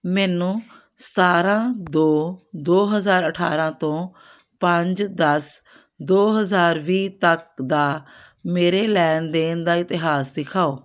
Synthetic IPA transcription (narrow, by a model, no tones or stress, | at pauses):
mɛːnũː | saːɾãːd̪oːd̪oːɦəzaːɾəʈʰa̰ːɾãːt̪õː | pəɲd͡ʒd̪əs | d̪oːɦəzaːɾʋiːt̪ək̚d̪aː | meːɾeːlɛːnd̪eːnd̪aːɪt̪ɪɦaːsːɪkʰaːoː